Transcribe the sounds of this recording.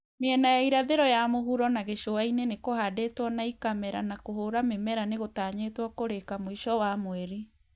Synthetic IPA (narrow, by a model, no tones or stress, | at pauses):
meɛnajaiɾaðeɾɔjamoɦuɾɔnaɣeɕoainenekohadetwɔnaikamɛɾa̰nakoɦoːɾamemɛɾaneɣotaːɲetwɔkoɾekamoiʃɔwamwɛɾi